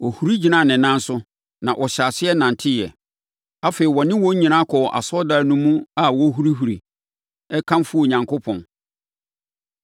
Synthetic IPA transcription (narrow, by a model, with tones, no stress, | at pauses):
ɔ˨hu˨ɾi˦d͡ʑi˨nã˦˨nɪ̃˨nã˦n˦sʊ˦ | nã˨ʔɔ˨ɕa˨sɪ˦ɛ˦nã˨n˨tʰɪ˦jɛ˨ | a˦fe˨i˨wɔ˨nɪ̃˦wɔ̃˦ɲĩ˨nã˦kʰɔ˨ʔa̰˨sɔ˦daː˨nũ˦mũ˦a˨wɔ˦ɦu˦ɾi˦ɦu˨ɾḭ˨ | ɛ˦kʰã˦mfu˦o˨ɲã˨ŋko˦pʰɔ̃˨n